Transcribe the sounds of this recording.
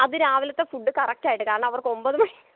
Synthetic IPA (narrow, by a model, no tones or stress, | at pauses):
ɐðɨɾaːʋilɐt̪ːe̞fuɖːɨkɐrɐk̚taːjiʈ̬ːɨkaːɾɐɳɐ̃mɐʋɐrkɨo̞mbɐðɨmɐɭi